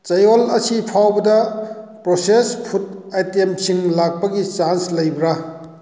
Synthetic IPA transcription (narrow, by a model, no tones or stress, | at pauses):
t͡ʃɐjolɐsipʰawbɐdɐpɾosespʰut̚ajtempsiŋlak̚pɐɡit͡ʃanslɐjbɾa